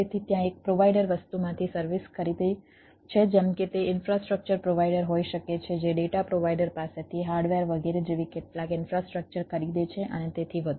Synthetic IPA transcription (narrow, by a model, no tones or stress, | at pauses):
et̪ʰit̪jãek̚pɾoʋajɖəɾʋəst̪umãt̪ʰisəɾʋiskəɾid̪əj | t͡ʃʰed͡ʒɛmket̪eɪnfɾasʈɾək̚t͡ʃəɾpɾoʋaiɖəɾɦoiʃəket͡ʃʰed͡ʒeɖeʈapɾoʋajɖəɾpaset̪ʰiɦaɾɖʋeɾʋəɡeɾed͡ʒeʋikeʈlãkɪnfɾasʈɾək̚t͡ʃəɾkəɾid̪et͡ʃʰeʔənet̪et̪ʰiʋəd̪